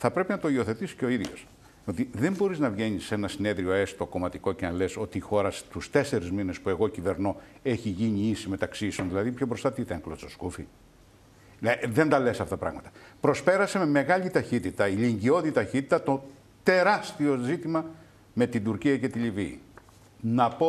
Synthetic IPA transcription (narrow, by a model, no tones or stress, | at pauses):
θɐpɾe̞pinɐt̪o̞io̞θe̞t̪isi̥ceo̞iðʝo̞̰s | o̞t̪iðe̞mbo̞ɾiznɐvʝe̞nise̞nɐsine̞ðɾioe̞st̪o̞ko̞mɐt̪iko̞ce̞nɐleso̞t̪iːxo̞ɾɐst̪ust̪e̞se̞ɾizmine̞spue̞ɣo̞cive̞ɾno̞e̞çiʝiɲiisime̞t̪ɐksisonðilɐðipço̞bɾo̞st̪ɐt̪it̪eŋklososkufḭ | ðe̞nd̪ɐle̞sɐfot̪ɐpɾɐ̰ɣmɐt̪ɐ̥pɾo̞spe̞ɾɐsememe̞ɣɐʎit̪ɐçit̪it̪ɐiliɲɟio̞ðit̪ɐçit̪it̪ɐt̪o̞ | t̪e̞ɾɐst̪io̞zit̪imɐ | me̞t̪id̪uɾciɐce̞t̪iliviː | nɐpo